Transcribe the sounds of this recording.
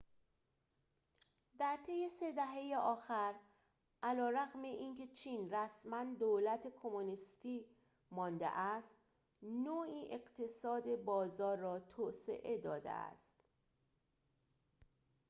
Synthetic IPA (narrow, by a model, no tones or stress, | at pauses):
d̪æɾt̪ʰe̞je̞se̞d̪æɦe̞jeʔɒːxæɾ | ʔælɒːɾæɣme̞ʔinkʰe̞t͡ʃʰiːnræsmænd̪oːlæt̪ʰe̞kʰo̞monist̪iː | mɒːnd̪ḛʔæst̪ | noːiːʔe̞ɢt̪ʰe̞sɒːd̪e̞bɒːzɒːɾːɒːt̪ʰoːse̞̰ʔe̞d̪ɒːd̪ḛæ̰st̪